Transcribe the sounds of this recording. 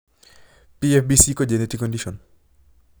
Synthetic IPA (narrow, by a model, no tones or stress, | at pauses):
piefbisikɔd͡ʒeneʈikːɔndiʃɔn